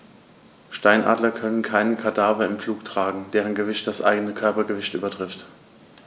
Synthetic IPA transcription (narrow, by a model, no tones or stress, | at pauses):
ʃtaɪnʔa̰ːdlɐkʰœnənkʰaɪnənkʰadaːvɐɪmfluːktʁ̥aːɡŋ̩d̥eːʁənɡəvɪçt̚d̥asʔa̰ɪɡənəkʰœɐpɐɡəvɪçtʔy̰ːbɐtʁ̥ɪft